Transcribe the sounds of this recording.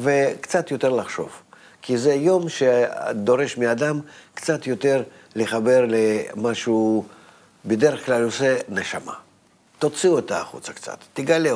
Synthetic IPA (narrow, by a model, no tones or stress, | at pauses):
vekt̪sat̪jot̪e̞rlaχʃo̞̰v̥ | kʲizɛjo̞mʃḛd̪oɾeʃmʲɪad̪amkt̪sat̪jot̪er | lʲɪχaberlemaʃuu | bʲɪd̪eɾəχklalʲoseneʃa̰ma̰ | t̪ot̪siot̪aːχṵt̪sɐ̥k̪sa̰t̪ːɪɡalʲe